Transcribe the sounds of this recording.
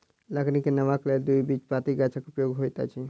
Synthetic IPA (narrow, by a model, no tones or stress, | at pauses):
ləknikenəʋakleld̪ujbit͡ʃpat̪iɡat͡ʃʰakupɾəjoɡɦojt̪a̰t͡ʃʰi